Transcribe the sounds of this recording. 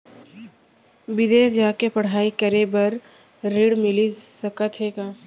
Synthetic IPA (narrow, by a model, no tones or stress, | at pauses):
bɪd̪eːsd͡ʒaːkepɐɽ̤aːikəɾebɐɾ | ɾiːɽmɪlisəkət̪ɦekãː